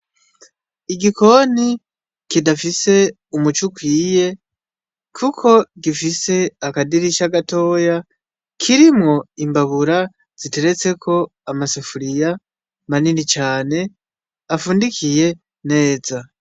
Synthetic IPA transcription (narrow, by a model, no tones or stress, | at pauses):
iɡiko̞ni | kidafise̞ | umut͡ʃukwiːje̞ | kʰukʰo̞ɡifise̞akadiɾiʃaɡato̞ːja | kʰiɾimŋo̞imbaβuɾa | z̥ite̞ɾe̞t͡se̞kʰo̞ | amasefuɾija | maninit͡ʃaːne̞ | afuːndikʰije̞ | ne̞ːza